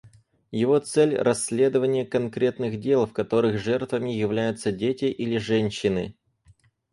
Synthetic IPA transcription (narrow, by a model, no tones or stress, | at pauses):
jɪvo̞t̪sɛlʲrʔɐsʲːlʲe̞d̪əvənʲɪjəkɐnkɾʲe̞t̪nɨxdʲe̞lˠfkɐt̪o̞ɾɨxʐɛrt̪vəmʲɪjɪvlʲæjʊt̪sədʲetʲɪʔilʲɪʐɛnʲɕːɪnɨ̰